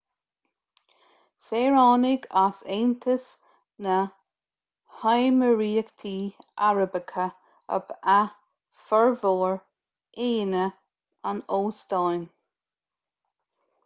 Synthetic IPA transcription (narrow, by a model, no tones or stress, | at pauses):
seːɹɑːnɪɡaseːnt̪ʰəs | nə | hajməɹiːkt̪ʰiːa̰ɹəbəkʰə | ə̰ba | fəɹvoːɹ | eːnə | anoːst̪ajn